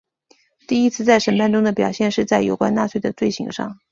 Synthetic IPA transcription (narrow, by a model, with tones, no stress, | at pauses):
t̪i˥˩i˥t͡sʰɹ̩˥˧t͡sa˥˩ɪʂə˧˥˩npa˥˩nʈ͡ʂʊ˥ŋd̪ə˨pjɑ˨˩ʊɕjɛ˥˧nʂɻ̩˥˧t͡sa˥˩ɪjo˨˩ʊkwa̰˥nna˥˧t͡sʰwe˥˩ɪd̪ə˩t͡swe˥˩ɪɕḭ˧˥ŋʂɑ̰˥˩ŋ